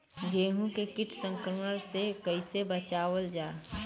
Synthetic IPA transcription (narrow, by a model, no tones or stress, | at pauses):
ɡeːɦũkekɪʈʰsə̃ŋkɾməɾsekəɪsebət͡ʃaːʋəld͡ʒaː